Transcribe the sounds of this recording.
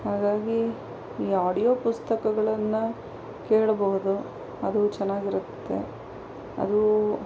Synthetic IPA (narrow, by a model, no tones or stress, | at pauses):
haːɡaːɡi | iːaːɽijoːpust̪ɐkɐɡɐɭɐnːɐ | keːɭɐbɐɦud̪u | ɐd̪ut͡ʃɛnːaːɡiɾut̪ːe̞̰ | ɐ̰d̪u